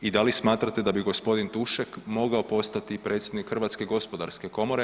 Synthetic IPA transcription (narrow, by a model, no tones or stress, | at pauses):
id̪alismaːt̪ɾat̪e̞d̪abiɡo̞spo̞d̪int̪uʃɛkmo̞ɡaopo̞st̪at̪ipɾʔe̞ːt̪sje̞d̪nikxr̩ʋat̪ske̞ɡo̞spo̞d̪a̰ɾske̞ko̞mo̞ɾe